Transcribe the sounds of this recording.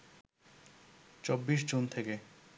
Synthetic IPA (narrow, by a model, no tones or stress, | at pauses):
t͡ɕobːiʃ̬d͡ʑunt̪ʰeke